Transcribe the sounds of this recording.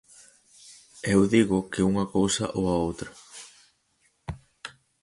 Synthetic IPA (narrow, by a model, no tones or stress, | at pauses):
ewðiɣʊkɪuŋɐkowsɐʔoɐowt̪ɾɐ